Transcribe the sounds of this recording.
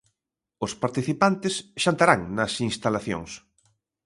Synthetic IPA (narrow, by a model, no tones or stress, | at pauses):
ʊspaɾt̪iθipant̪ɪsʃant̪aɾaŋnɐsinst̪alaθjo̰ŋs